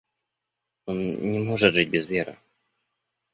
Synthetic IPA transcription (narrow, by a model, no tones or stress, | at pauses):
onnʲɪmo̞ʐɨt̪ʐɨt̚ʲbʲɪzvʲeɾɨ̰